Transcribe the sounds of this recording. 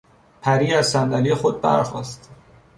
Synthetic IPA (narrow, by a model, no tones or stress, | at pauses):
pʰæɾiːæzsænd̪ælijexod̪̚bæ̰ɾxɒ̰ːst̪